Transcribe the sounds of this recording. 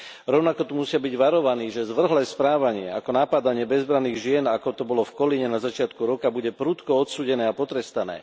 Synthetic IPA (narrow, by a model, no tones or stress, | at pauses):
ɾɔʊnakɔt̪umusɪabiɟʋaɾɔʋaniːʒɛzʋr̩ɦlɛːspɾaːʋaɲɪɛa̰kɔnapad̪aɲɪɛbɛzbɾaniːɣʒɪɛnakɔt̪ɔbɔlɔfkɔliɲɛnazat͡ʃɪat̪kuɾɔkabuɟɛpɾut̪kɔɔt̪suːɟɛnɛːapɔt̪ɾɛst̪anɛ̰ː